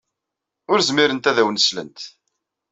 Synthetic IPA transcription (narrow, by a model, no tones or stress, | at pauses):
ʊɾzmiɾənt̪æðæwnəslə̰nt̪